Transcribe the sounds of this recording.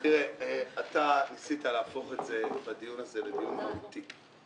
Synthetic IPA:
iʁeat̪aisit̪aleafo̞χe̞tze̞bad̪ijunazebed̪ijunmaut̪i

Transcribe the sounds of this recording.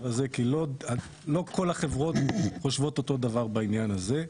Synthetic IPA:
aze̞kilo̞a | lo̞ko̞laχe̞vʁo̞t̪χo̞ʃvo̞t̪o̞t̪o̞d̪avaʁbainjanaze̞

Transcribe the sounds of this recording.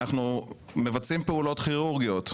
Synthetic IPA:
aχnu | me̞vat͡simpeulo̞tχiʁuʁɡijot̪

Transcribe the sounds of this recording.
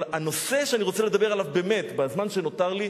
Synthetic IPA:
lano̞se̞ʃeaniʁo̞t͡sele̞d̪abe̞ʁalavbemet̪bazmanʃeno̞t̪aʁli

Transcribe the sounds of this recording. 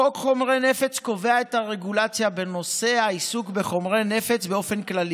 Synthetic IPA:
okχo̞mʁe̞ne̞fe̞t͡sko̞ve̞aet̪haʁe̞ɡulat͡sjabe̞no̞se̞aisukbeχo̞mʁe̞ne̞fe̞t͡sbeo̞fe̞nklali

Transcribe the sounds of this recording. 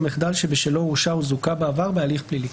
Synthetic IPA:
meχd̪alʃebeʃelouʃauzukabeːvaʁbealiχplili

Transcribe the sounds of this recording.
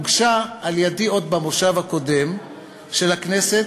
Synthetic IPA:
ɡʃaːljedio̞d̪bamoʃavhako̞de̞m | ʃe̞lakne̞se

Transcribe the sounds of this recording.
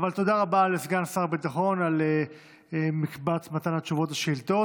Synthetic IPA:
valt̪o̞d̪aʁabalesɡansaʁbit̪aχo̞nale | emikbat͡smat̪anhat͡ʃuvo̞t̪aʃeilt̪o̞

